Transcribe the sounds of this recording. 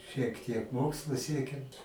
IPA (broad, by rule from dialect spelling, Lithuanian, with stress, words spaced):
ʃʲiɛk tʲiɛk ˈmoːkslˠʊ ˈsʲiɛkʲɪm